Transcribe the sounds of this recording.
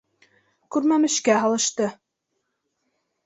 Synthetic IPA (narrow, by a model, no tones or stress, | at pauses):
kʉɾmæmɘ̆ʃkæɦɑlˠɤ̆ʃt̪ɤ